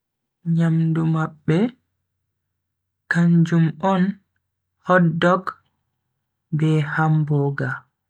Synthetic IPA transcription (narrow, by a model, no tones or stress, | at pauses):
ɲamdumaɓːɛ | kaɲd͡ʒumɔn | hɔdːɔk | bɛhambɔːɡa